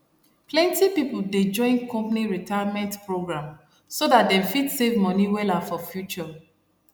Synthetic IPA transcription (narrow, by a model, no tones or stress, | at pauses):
plɛ̃ntipipulded͡ʒɔ̃ɪ̃nkɔ̃mpniɹitʰajamɛ̃ntpɹoɡɹãm | sodat̚dɛ̃mfidsevmɔniwɛlafɔfjut͡ʃɔ